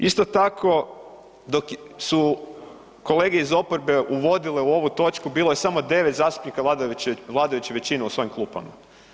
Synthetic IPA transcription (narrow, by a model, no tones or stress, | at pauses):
ist̪o̞t̪akʰo̞ | d̪o̞ksu | ko̞le̞ɡeizo̞poɾbe̞ʔuʋo̞d̪ile̞uo̞ʋut̪o̞t͡ʃkubiːlˠoje̞samo̞d̪e̞ʋet̪zaːst̪u̥pnikalad̪ʋlˠaːd̪ajut͡ɕeʋet͡ɕineusʋo̞imklˠuːpa̰ma̰